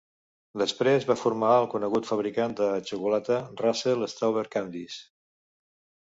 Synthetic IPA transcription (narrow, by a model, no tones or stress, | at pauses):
d̪əspɾezβafuɾmaəlˠkunəɣut̪fəβ̞ɾikand̪ət͡ʃukulat̪əraseləst̪awβeɾkand̪is